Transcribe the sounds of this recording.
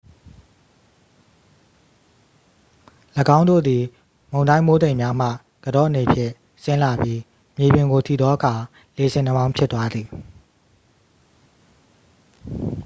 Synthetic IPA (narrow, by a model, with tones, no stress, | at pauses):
lə˨ɡã˦ʊ̃ndo̰˦˨d̪i˨ | mõ˨ʊ̃ndã˦ɪ̃mo˦d̪ẽ˨ɪ̃mja˦m̥a̰˦˨ | ɡ̥ədɔ̰˦ʔəne˨pʰjɪ̰̃˦˨ʔ | sɪ̃˦la˨bji˦ | mje˨bɪ̃˨ŋɡo˨tʰḭ˦˨d̪ɔ˦ʔə˦kʰa˨ | le˨sʰɪ̃˨n̥ə˦bã˦ʊ̃mpʰjɪ˦t̪wa˦d̪ði˨